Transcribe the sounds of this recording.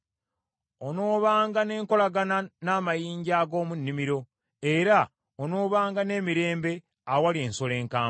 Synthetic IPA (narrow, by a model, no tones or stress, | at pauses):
ono̞ːβaːŋɡane̞ːŋko̞laɡananaːmajiːɲɟaːɡo̞ːmunːimiɾo̞ | e̞ɾa | ono̞ːβaːŋɡane̞ːmiɾe̞ːmbe̞ | awalienso̞le̞ːŋkaː